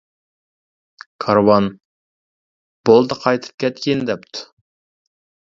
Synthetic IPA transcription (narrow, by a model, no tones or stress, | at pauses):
kʰɑɾwɑn | b̥olˠd̪əqʰɑjt̪ʰɨ̥p̚kʲʰɛt̪kʲind̪ɛpt̪ʰu̥